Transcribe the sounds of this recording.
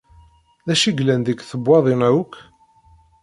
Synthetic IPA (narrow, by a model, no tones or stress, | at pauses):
ðæʃiɡlænd̪əkθəbʷːɑðˤinæuk